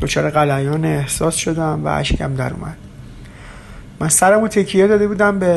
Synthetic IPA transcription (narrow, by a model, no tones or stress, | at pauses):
d̪̥o̞t͡ʃʰɒːɾeɣælæjɒːneːhsɒːsʃo̞d̪æmvæ̰ʔæ̰ʃcʰæ̰md̪æɾṵːmæ̰d̪̥ | mænsæɾæmut̪ʰe̞kʰːijed̪ɒːd̪e̞buːd̪æmbe